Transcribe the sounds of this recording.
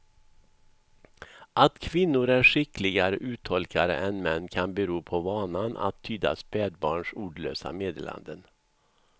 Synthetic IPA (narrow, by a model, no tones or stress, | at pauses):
ʔat̪kʰvɪnːʊɾæʂɪkːlɪɡaɾəʔʉ̟ːt̪ʰɔlkʰaɾə̰ʔɛnmɛnːkʰanbɛɾuːpʰɔvɑːnanʔa̰t̪ʰːyːd̪a̰spɛːd̪̚bɑːɳʂuːɖɭø̰ːsa̰meːd̪ḛːla̰nd̪ən